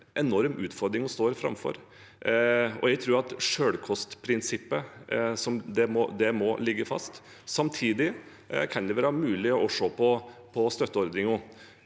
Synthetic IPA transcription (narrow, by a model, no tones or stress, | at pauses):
ʔɛnɔɾmʉːt̪fɔɾd̪ɾɪŋɔst̪oːɾfɾɑ̰mfɔ̰ɾ | ɔ̰jɛɡt̪ʰɾuːɾɑt̪ʂøːɽkʰɔst̪pʰɾɪnsɪpːəsɔmd̪ɛmɔd̪ɛmɔlɪɡːəfɑ̰st̪ | sɑmt̪ʰiːd̪ɪ | kʰɑnd̪ɛʋɛlɑɾmʉːlɪɔʔɔʂoːpʰɔpʰɔst̪œt̪ːəɔɾd̪ɾɪŋɔ